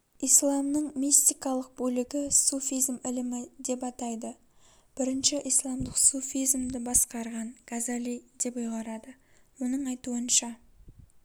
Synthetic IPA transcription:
ijslˠɑmnəɴmist̪ijkɑlˠəq̚bɵlɪɡʲɪsufʲijzmɪlɪmɪd̪e̞pɑt̪ɑjd̪ə | b̥ɪɾɪnʃɪʔijslˠɑmd̪əqsufʲijzmd̪ɪbɑsqɑɾʁɑɴkʰazalid̪e̞pʊjʁɑɾɑd̪əwo̞nəɴɑjt̪uənʃɑ

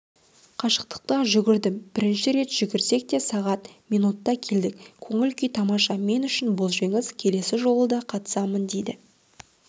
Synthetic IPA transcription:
qʰɑʃə̥q̚t̪ə̥q̚t̪əʒʏɡʲɪɾd̪ɪmb̥ɪɾɪnʃɪɾe̞t̪ʒ̥ʏɡʲɪɾse̞k̚t̪e̞sɑʁɑt̪mijnut̪ːɑkʲʰe̞ld̪ɪkkʲʰɵŋɪlkʲijt̪ʰɑmɑʃɑme̞nʏʃɪnbʊlˠʒeŋɪzkʲʰe̞le̞sɪʒo̞lˠəd̪ɑqʰɑt̪ə̥sɑmənd̪e̞jd̪ɪ

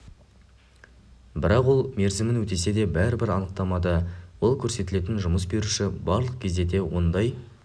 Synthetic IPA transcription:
bɪɾɑqwo̞lˠme̞ɾzɪmɪnwɵt̪e̞se̞d̪e̞bæɾɪbɪɾɑnəq̚t̪ɑmɑd̪əwo̞lˠkʲʰɵɾse̞t̪ɪle̞t̪̬ɪnʒʊməsbe̞ɾuʃɪbɑɾlˠəq̚kʲʰe̞zd̪e̞t̪̬e̞wo̞̰nd̪ɑj

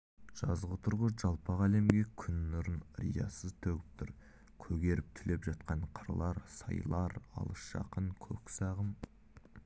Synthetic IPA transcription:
ʒ̥ɑzʁət̪ʰʊɾʁəʒɑlˠpɑʁæle̞mɡʲe̞kʲʰʏnːʊɾənɾḭjɑ̰səzt̪ʰɵɡʲɪp̚t̪ʰʊɾ | kʲʰɵɡʲe̞ɾɪp̚t̪ʰʏle̞pʒɑt̪qɑɴqʰəɾlˠɑɾsɑ̰jlˠɑɾɑ̰lˠəsʃɑ̰qəŋkʲʰɵksɑʁəm

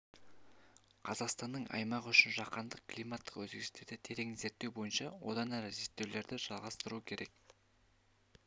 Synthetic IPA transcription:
qʰɑzɑqst̪ɑnːəɴʔɑ̰jmɑqʏʃɪnʒɑqɑnd̪əq̚klijmɑt̪ːə̥qwɵzɡʲɪst̪ed̪ɪt̪ʰe̞ɾe̞ŋze̞ɾt̪ːewbo̞jənʃɑwo̞̰d̪ɑnæɾɪzet̪ːewle̞ɾd̪ɪʒ̥ɑlˠʁɑst̪əɾuəkʲʰe̞ɾʔe̞k̚

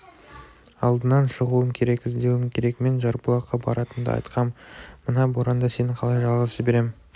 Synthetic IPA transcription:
ɑ̰lˠd̪ənɑnʃəʁuəmkʲʰe̞ɾe̞kɪzd̪e̞wɪmkʲʰe̞ɾe̞kme̞nʒɑɾbəlˠɑqːɑbɑ̰ɾɑt̪ənd̪ə̰ɑ̰jt̪qʰɑmːənɑboɾɑnd̪ɑse̞nɪɴqʰɑlˠɑjʒɑlˠʁɑzəzbe̞ɾe̞m

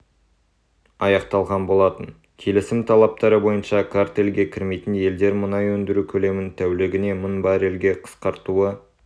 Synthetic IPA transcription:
ɑjɑqt̪ɑlˠʁɑnbo̞lˠɑt̪ən | kʲʰe̞lɪsɪmt̪ʰɑlˠɑp̚t̪ɑɾəbo̞jənʃɑkʰaɾt̪e̞lɡʲe̞kʲʰɪɾme̞jt̪ɪnje̞ld̪e̞ɾmʊnɑjwɵnd̪ɪɾukʲʰɵle̞mɪnt̪ʰæwlɪɡʲɪne̞mənbɑɾe̞lɡʲe̞qʰə̥sqɑɾt̪uə

